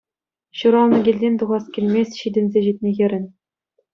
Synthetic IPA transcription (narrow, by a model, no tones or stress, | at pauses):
ɕuɾɑlˠnɤ̆ɡʲilʲdʲenʲt̪uʁɑskʲilʲmʲesʲɕid̪ʲɘ̆nʲzʲeʑit̪ʲnʲexʲɘ̆ɾʲɘ̆nʲ